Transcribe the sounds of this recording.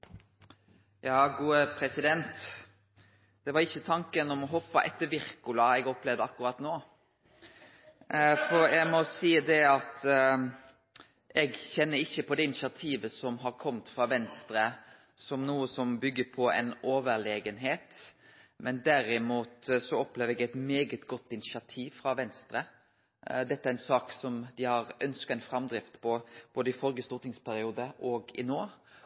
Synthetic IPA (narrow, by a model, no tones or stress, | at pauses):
jɑːɡuːəpʰɾɛsɪd̪ɛnt̪ | d̪̥ɛʋɑɾɪçːət̪ʰɑŋkənɔmɔɦɔpːɑʔɛt̪ːəɾʋɪɾkʉlɑɛɡɔplɛʋd̪əɑkːʉɾɑt̪noː | fɔɾjæɡmɔsiːd̪ɛɑt̪ | ɛɡçɛnːəɾɪçːəpʰɔd̪ɛɪnɪsɪɑt̪ʰiːʋəsɔmɦɑɾkʰɔmt̪fɾɑʋɛnst̪ɾə | sɔmnuːəsɔmbʏɡːəpʰɔɛ̰noːʋəɾleːɡənɦeːt̪mɛnd̪æɾɪmuːt̪sɔɔpleːʋəɛɡæɪt̪meːɡət̪ɡɔt̪ːɪnɪʃɪɑt̪ʰiːʋfɾɑʋɛnst̪ɾə | d̪ɛt̪ːəæɾɛnsɑːksɔmd̪ɪhɑɾœnskəɛɪnfɾɑmd̪ɾɪft̪pʰɔb̥oːd̪əɪfɔɾɡəst̪uːɾt̪ɪŋspʰæɾɪuːd̪əʔɔɡɪnoː